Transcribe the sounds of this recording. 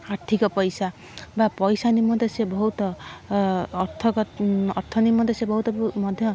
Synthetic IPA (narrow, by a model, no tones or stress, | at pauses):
aɾt̪ʰikɔpɔjsa | bapɔjsanimɔnt̪esebɔɦut̪ɔː | ɾt̪ʰːɔkɔɔɾt̪ʰɔnimːɔ̃nd̪ʰesebɔɦut̪ɔmɔd̪ʱjɔ